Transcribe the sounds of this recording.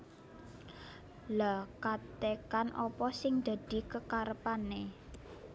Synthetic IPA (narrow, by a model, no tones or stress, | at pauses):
lakat̪ekanʔɔpɔsɪŋd̪̥a̤d̪̥i̤kəkaɾəpane